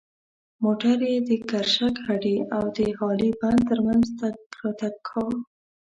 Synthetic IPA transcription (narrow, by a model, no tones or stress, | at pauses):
moʈaɾjed̪əkaɾʃakhaɖiawd̪əhɑliband̪̚t̪əɾmanzt̪aɾɑt̪akʰːaw